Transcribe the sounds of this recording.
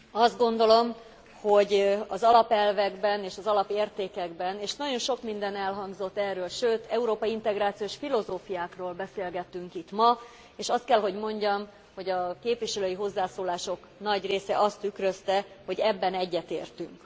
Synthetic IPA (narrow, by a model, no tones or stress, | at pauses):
ɒzd̪̚ɡo̞nd̪o̞lo̞m | ho̞ɟɒzɒlɒpɛlvɛɡbɛneːʃɒzɒlɒpeːrt̪eːkɛɡbɛneːʃnɒɟo̞nʃo̞kmind̪ɛnɛlɦɒŋɡzo̞t̪ːɛrːøːlʃøːt̪ɛuɾoːpɒjiint̪ɛɡraːt̪sijoːʃfilo̞zoːfijaːkroːlbɛseːlɡɛt̪ːyŋkit̪mɒ | eːʃɒst̪kɛlɦo̞ɟmo̞ɲɟɒm | ho̞ɟɒkeːpʋiʃɛløːjiɦo̞zːaːsoːlaːʃo̞k | nɒɟreːsɛʔɒst̪ːykrøst̪ɛho̞ɟɛbːɛnɛɟːɛt̪ḛːrt̪yŋk